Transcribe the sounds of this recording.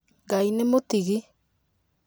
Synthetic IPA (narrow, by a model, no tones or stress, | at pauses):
ŋɡainemotiɣi